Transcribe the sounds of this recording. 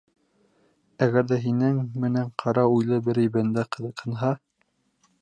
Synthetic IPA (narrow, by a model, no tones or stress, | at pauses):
æɡæɾðæɦinɘŋmɘ̆næɴqʰɑɾɑujlˠɤbɘɾɘ̆jbænd̪æqɤ̆ðɤ̆qhɤ̆nɦɑ